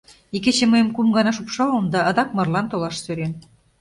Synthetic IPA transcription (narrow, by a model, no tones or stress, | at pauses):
iket͡ɕĕməjəmkumɡɑnɑʃupʃɑlə̆md̪ɑːd̪ɑk̚mɤ̆rlɑnt̪olɑʃsøɾen